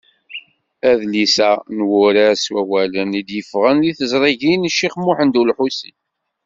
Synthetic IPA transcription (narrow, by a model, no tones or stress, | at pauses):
æðlisænwʊɾæswæwælənid̪jəfʁənliθəzˤɾˤiʝinʃːiχmʊħənd̪ulħusi